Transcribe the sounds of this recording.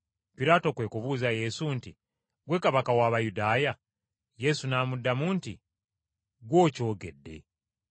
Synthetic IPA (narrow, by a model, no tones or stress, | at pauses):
piɾaːto̞kwe̞ːkuβuːzaje̞sunti | ɡwe̞kaβakawaːβajudaːja | je̞sunaːmudːamuːnti | ɡwo̞ːco̞ːɡe̞̰dːe̞̰